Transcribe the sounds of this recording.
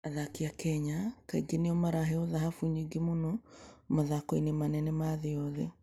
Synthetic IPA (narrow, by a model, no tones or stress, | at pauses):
aðakiakɛɲakaiɡeneɔmaɾaɦɛɔðaɦafuɲiɡimonɔmaðakoinemanɛnɛmaðeɔðɛ